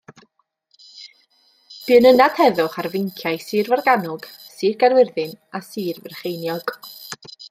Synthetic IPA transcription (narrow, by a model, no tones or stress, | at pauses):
b̥ɨənənad̥hɛðʊχarvɪŋkʰjajsɨːrvarɡanʊɡ̥siːrɡarwɪrðɨnasiːrvɛrχejnjɔɡ̥